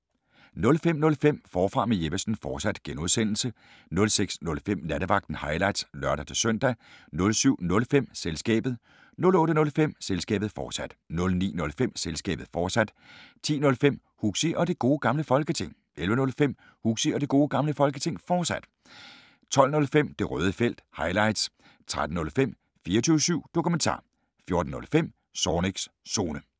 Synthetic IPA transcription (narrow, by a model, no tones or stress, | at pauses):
nɔ̽lfem̰nɔ̽lfem̰fɒːfʁɑ̈meje̝ʋæsn̩fɒ̥ːsæd̥ɡ̥enuðˠsen̰l̩sə | nɔ̽lseɡ̥snɔ̽lfem̰næd̥əʋɑ̈ɡ̥̚d̥n̩hɑ̈ɪlɑ̈ɪd̥slɶɐɾ̥æt͡sʰe̝sœn̰d̥ænɔ̽lsyʊ̰nɔ̽lfem̰selsɡ̥ɛ̰ːb̥ð̩ˠ | nɔ̽lɔ̽ːɾənɔ̽lfem̰selsɡ̥ɛ̰ːb̥ð̩ˠfɒ̰̥ːsæd̥nɔ̽lnḭːnɔ̽lfem̰selsɡ̥ɛ̰ːb̥ð̩ˠfɒ̥ːsæd̥ | t͡sʰḭːnɔ̽lfem̰ | huɡ̥siʔɒ̽d̥e̝ɡ̥o̝ːɡ̥ɑ̈mləfɒ̽lɡ̥ət͡sʰe̝ŋ̰ | ʔelʋənɔ̽lfem̰ | huɡ̥siɒ̽d̥e̝ɡ̥o̝ːɡ̥ɑ̈mləfɒ̽lɡ̥ət͡sʰe̝ŋ̰fɒ̥ːsæd̥ | t͡sʰɒ̽l̰nɔ̽lfem̰d̥e̝ʁœːð̞ˠəfel̰d̥hɑ̈ɪlɑ̈ɪd̥s | t͡sʰʁad̥n̩nɔ̽lfem̰ | fiːɐt͡sʰyːʊsyʊ̰d̥o̝kʰument͡sʰɑ̰̈ː | fjo̝ɐd̥n̩ːɔ̽lfem̰ | sɒːneɡ̥sːo̝ːnə